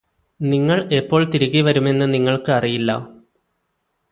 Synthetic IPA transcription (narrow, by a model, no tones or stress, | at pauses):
niŋːɐɭe̞pːo̞ːɭt̪iɾuɣiʋɐɾume̞nːɨniŋːɐɭkɨɐrijilːɐ̰